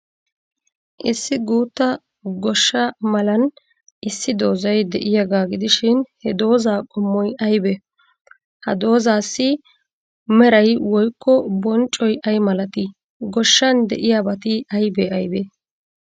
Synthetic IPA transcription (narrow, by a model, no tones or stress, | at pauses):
ʔɪsːɪɡuːt̪ːɐ | ɡɔʃːɐmɐlɐn | ʔɪsːɪd̪o̞ːzɐjd̪ɛʔɪjɐɡaːɡɪd̪ɪʃɪnhɛd̪o̞ːzaːkʼɔmːɔjʔɐjbɛ | hɐ̰d̪o̞ːzaːsːɪ | mɛɾɐjwɔjkʰːɔbɔnt͡ʃʼɔjʔɐjmɐlɐt̪ɪ | ɡɔʃːɐnd̪ɛ̰ʔɪjaːbɐt̪ɪɐjbɛɐjbɛ